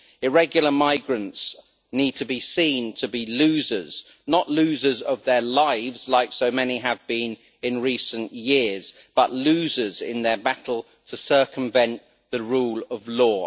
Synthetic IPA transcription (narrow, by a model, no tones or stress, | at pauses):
ɪɹɛɡjl̩ˠəmaɪɡɹə̃nts | niːd̚tʰəbisĩːntʰəbilʉːzəz̥ | nəʔlʉːzəzəvðəlaɪvz̥laɪksəʊmɛniəvbĩn | ɪ̃nɹiˑsə̃nʔjɪəz̥ | b̥ʌʔlʉːzəzɪ̰̃nðəbatʰˡl̩ˠ | tʰəsɜˑkə̃ɱvɛ̃nʔ | ðəɹuːləvlɔː